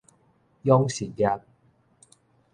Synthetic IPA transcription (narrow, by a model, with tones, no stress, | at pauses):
jɔ˥ŋsiː˨˩t̚ja˨˧k̚